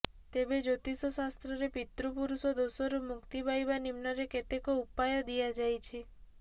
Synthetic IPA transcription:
t̪ebed͡ʒot̪isɔsast̪ɾɔɾepit̪ɾupuɾusod̪osoɾumʊkt̪ibʱajbanimnaɾeket̪ekoupajod̪ijad͡ʒajt͡ʃʰi

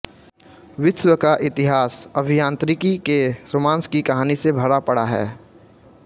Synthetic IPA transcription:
ʋɪwəkaʔɪt̪ɪɦaːsɐbʱijãːnt̪ɾɪkikesomãːnskikɐɦaːnisebʱɐɾapɐɽaɦɛ̰ː

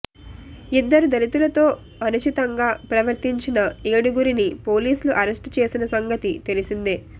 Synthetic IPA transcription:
id̪ːɐɾud̪ɐɾit̪ulɐt̪o̞ː | ɐnut͡ʃit̪ɐŋɡaːpɾɐʋɐɾt̪iɲt͡ʃinɐeːɽuɡuɾinipo̞ːliːsuluʔɐɾesʈt͡ʃe̞ːsinɐsɐŋɡɐt̪it̪elisind̪e

